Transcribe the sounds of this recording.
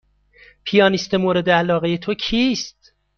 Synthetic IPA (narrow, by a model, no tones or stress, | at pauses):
pʰijɒːnist̪emoːɾed̪eælɒːɣejet̪ʰocʰiːst̪